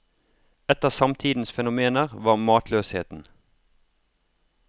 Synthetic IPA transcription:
ɛt̪əsɑmt̪ʰiːd̪n̩sfɛnʊmeːnəʁʋɑːʁmɑːt̪ʰløːsheːt̪n̩

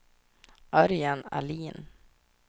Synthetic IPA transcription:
ʔœɾjana̰liːn

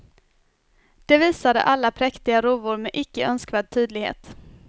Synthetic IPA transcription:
d̪̥ɛviːsad̪ə̰ʔalːapʰɾɛkt̪ɪɡaɾuːvʊɾmɛʔɪkːəœnskvæɖ̪̚t̪ʰyːd̪lɪɡhḛːt̪

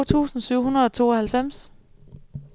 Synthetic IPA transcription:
t͡sʰṵːsn̩syʊ̰hunɐðˠɒ̽t͡sʰo̝ːɒhælfem̰s

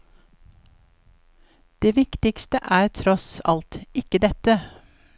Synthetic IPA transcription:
d̪̥eːʋɪkt̪ɪkst̪əʔæːɾt̪ʰɾɔsɑ̰lt̪ɪkəd̪ɛt̪ə

